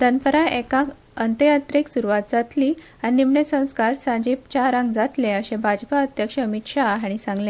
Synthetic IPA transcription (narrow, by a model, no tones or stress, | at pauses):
d̪ʱənpəɾaekãk | ənt̪əjat̪ɾiksuɾuʋat̪̚d͡zat̪liː | aninimɳesə̃w̃skaɾsãd͡ʑipt͡ɕaɾãŋɡd͡zat̪lẽəɕẽbʱad͡ʑpaət̪jəkʂəːmit̪ɕaɦaɽ̃isãŋɡlẽ